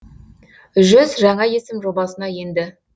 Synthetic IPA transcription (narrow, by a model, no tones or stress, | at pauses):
ʒʏzʒɑɴɑje̞sɪmʒo̞bɑsənɑje̞nd̪ɪ